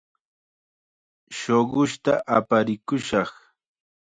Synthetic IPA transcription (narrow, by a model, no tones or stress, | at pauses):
ʃoɢʊʃt̪aʔapaɾɪkʊʃɑχ